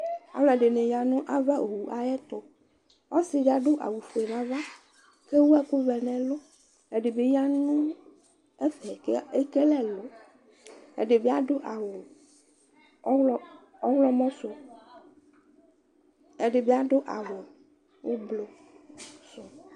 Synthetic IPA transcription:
a̰˨wlɔ˨ɛ˨ɖe˨nẽ˨ja˨nũ˦ʔa˦va˦ʔo˨wu˨ʔa˨jɛ˦t̪o˨ | ɔ˦si˦be˨˦a˨ɖo˦ʔa̰˨wu˨fe˨nã˨va˦ | ke˦wu˦ɛ˦ku˦vɛ˨nɛ̃˨lo˦ | e˨ɖe˨be˨˦ja˦nũ˦ | e˦fɛ˨˦e˦ke˦lɛ˦lo˨˦ | ḛ˨ɖe˨be˦a˦ɖo˦ʔa˨wo˨˦ | ɔ˦wlɔ˦mɔ̃˦so˨ | e˨ɖe˨be˦a˦ɖo˦ʔa̰˨wo˨ | wo˦blo˨ | so˨

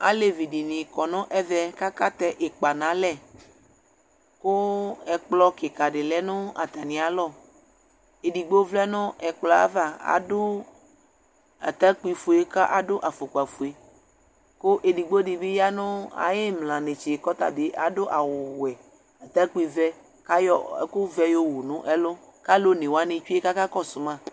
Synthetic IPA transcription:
a̰˦le˨vi˨ɖi˨nĩ˨kɔ˨nɔ̃˦ʔɛ˦ðɛ˦ka˦ka˦t̪ɛ˦ʔe˨k͡pa˨nã˨˦lɛ˦˨ | ko˦ɛ˨k͡plɔ˦ke˨ka˨ɖe˨lɛ˦nõ˦a̰˨t̪a˨nĩ˨a˨lɔ˦˨ | e˨di˨ɡ͡bo˦vlɛ˦nɔ̃˦ɛ˨k͡plɔ˨a̰˦va˦a̰˨do˦ | a̰˨t̪a˦k͡pi˨fu˨e˦ka˦ʔa˨do˦ʔa˨fo˨ka˨fo˨e˨ | ko˦ʔe˨di˨ɡ͡bo˦di˨be˦ja˦nʊ̃˦a̰˨je˦mlã˨ne˨t͡ʃe˨kɔ˦t̪a̰˨be˨ʔa̰˨do˦ʔa˨wʊ˨wɛ˨ | a˨t̪a˦k͡pi˨vɛ˦ | ka˦jɔ˦˨˦ko˦vɛ˦jo˦wu˨nũ˦ʔɛ˦lo˦ | ka˦lo˦nẽ˨wa˦nẽ˨t͡ʃu˦e˦ka˦ka˦kɔ˦sʊ˨mã˦˨

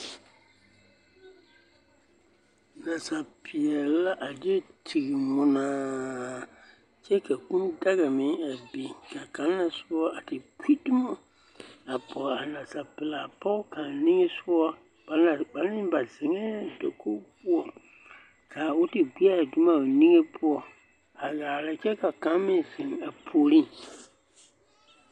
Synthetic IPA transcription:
na˨sa˨pʰɪ˨ɛ˨˦la˦ʔa˨d͡ʒe˦tʰi˨ɡi˨ŋʊ˨˦naː˦ | t͡ʃɛ˦ka˨kũ˦nda˦ɣa˨mɪ˨˦ŋa˨bi˨ka˨ka˨˦nː˦a˨sʊ˦ɔ˦a˨tɪ˨kʰʷi˦dʊ˦ma˦ | a˨pɔ˨ɾa˨nã˨sa˨pɪ˨la˨pɔ˦ka˨nĩ˦ŋe˦su˦ɔ˦ | b̥a˨a˨ɡ͡ba˨˦n˦ɪ̃˦ba˨zɪ˨ŋɛ˦do˨ko˦pʊ˦ɔ˨ | kaː˨wʊ˦ti˨ɡʷi˦a˦˨du˦ma˨nĩ˦ŋe˦pʰʊ˦ɔ˨ | a˨ɣaː˨lɛ˦t͡ʃɛ˦ka˨kã˨˦mĩ˨zɪ˨ŋa˨pʰo˨ɾĩ˦

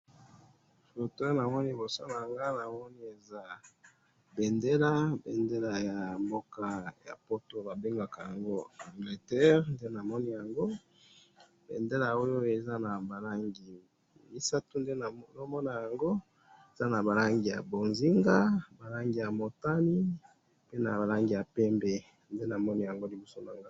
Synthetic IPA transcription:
fo˨to˦na˨mɔ˦ni˦bo˨so˦na˨a˨ŋɡa˦na˨mɔ˦ni˦e˨za˦ | be˨nde˦la˦be˨nde˦la˨ja˨mbo˦ka˦ja̰˨po˦to˨ba˨be˦ŋɡa˨ka˨ja˨ŋɡo˦a˨ŋɡle˨tɛ˦ʁnde˦na˨mɔ˦ni˦ja˨ŋɡo˦ | b̥ḛ˨nde˦la˨o˦jo˦e˨za˦na˨ba˨la˦ŋɡi˨ | mi˦sa˦tu˦nde˦˨no˦mɔ˦na˨ja˨ŋɡo˦ | e˨za˦na˨ba˨la˦ŋɡi˨ja̰˨bo˨nzi˦ŋɡa˦ba˨la˦ŋɡi˨ja˨mo˨ta˦ni˦ | pe˦na̰˨ba˨la˦ŋɡi˨ja˨pɛ˦mbe˨ | nde˦na˨mɔ˦ni˦ja˨ŋɡo˦li˨bo˦so˦na˨ŋɡa˦

